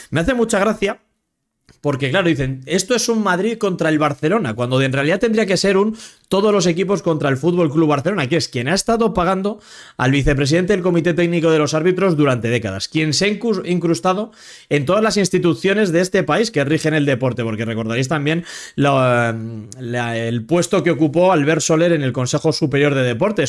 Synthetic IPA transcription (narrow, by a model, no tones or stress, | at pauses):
me̞aθe̞mut͡ʃaɣɾaθja | po̞ɾke̞klaɾo̞ðiθe̞ne̞st̪o̞e̞summaðɾiðko̞nt̪ɾae̞lβaɾθe̞lo̞nakwand̪o̞enre̞aliðat̪end̪ɾiake̞se̞ɾunt̪o̞ð̞o̞zlo̞se̞k̬ipo̞sko̞nt̪ɾae̞lfud̪̚βo̞lkluβaɾθe̞lo̞nakeeskje̞naest̪aðo̞paɣ̞and̪o̞ | a̰lβiθe̞p̬ɾes̬iðe̞nt̪eelko̞mit̪e̞t̪eɡniko̞ð̞e̞lo̞saɾβit̪ɾo̞zðuɾant̪e̞ð̞e̞kaða̰skje̞nseaŋkiŋkɾust̪að̞o̞ | e̞nt̪o̞ðazlasinst̪it̪uθjo̞ne̞zðeest̪e̞paiske̞rixe̞ne̞ld̪e̞po̞ɾt̪e̞po̞ɾkere̞ko̞ɾðaɾejst̪ambje̞nla | laelpwe̞st̪o̞ke̞o̞kupo̞alβeɾso̞le̞ɾene̞lko̞nse̞xo̞supe̞ɾjo̞ɾð̞e̞ð̞e̞po̞ɾt̪e̞s